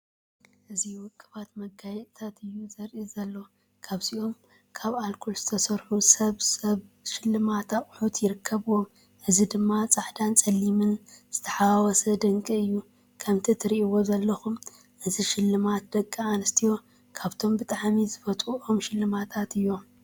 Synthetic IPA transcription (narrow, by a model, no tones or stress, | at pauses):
ʔɨziwʊkʼːɨβat̪mɐɡajɛt̪ʼt̪ʰat̪ɨjːuzɐɾʔizɐlːo̞ | kʰaβsiʔo̞m | kʰaβalkʰolz̥ɨt̪ʰɐsɐɾħusɐβsɐβʃɪlːɨmat̪aχʼħut̪jɪɾɨkʰːɐβɨwo̞m | ʔɨzid̪ɨmːat͡sʼaħd̪ant͡sʼɐlːimɨnz̥ɨt̪ʰɐ̥ħawɔsɐd̪ɐŋkʼiɨjːu | kʰɐmt̪ʰit̪ʰɨɾiʔiwo̞zɐlːɐxum | ʔɨziʃɪlːɨmat̪̚d̪ɐkʼːaanɨst̪ʰijo̞ | kʰaβt̪ʰo̞mbɨt̪ʼaʕmizɨbɐt̪ʼuʔo̞mʃɪlːɨmat̪ʰat̪ɨjːo̞